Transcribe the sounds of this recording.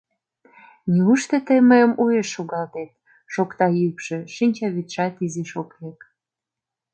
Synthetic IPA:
niuʃt̪et̪əjməjə̆mujeʃːoɣɑlt̪et̪̚ | ʃokt̪ɑjykʃĕʃinʲt͡ɕɑβit̪ʃɑt̪izeʃoklek

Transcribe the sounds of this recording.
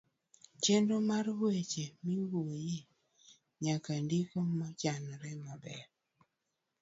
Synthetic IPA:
t͡ʃendomarwet͡ʃemiwoje | ɲakandikomat͡ʃanɾɛmabɛɾ

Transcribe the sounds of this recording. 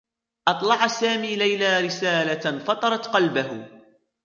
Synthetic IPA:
ʔɑt̪ˤlɑʕasaːmiːlajlaːɾɪsaːlafɑt̪ˤɑɾˤɑt̪qɑlbahʊ

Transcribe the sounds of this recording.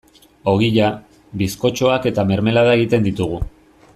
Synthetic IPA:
o̞ɣiʎa | βisko̞t͡ʃo̞ake̞t̪ame̞ɾme̞laðaeɣit̪e̞nd̪it̪uɣ̞u

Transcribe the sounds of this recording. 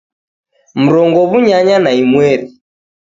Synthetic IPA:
m̩ɾɔŋɡɔβuɲaɲanaimwɛɾi

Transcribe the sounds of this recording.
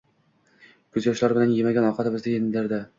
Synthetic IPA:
kʰɵzjɒʃlaɾbɪlanjemaɡʲanɒqʰɑt̪ɪmɪzd̪ajʲenlaɾd̪a

